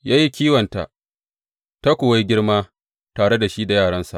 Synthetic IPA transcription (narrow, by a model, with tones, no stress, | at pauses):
jaː˦ji˦kʲiː˦wɐ˨nta̰˨ | ta˦kʷʊ˨wa˦jɡʲɪ˦ɽmaː˦ | taː˨ɽe˦da˨ʃi˦da˨jaː˦˨ɽɐ˦nsa̰˨ʔ